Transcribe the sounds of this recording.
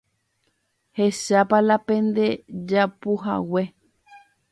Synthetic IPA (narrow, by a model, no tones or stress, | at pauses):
he̞ʃapalapẽ̞nd̪e̞d͡ʒapuɦa̰we̞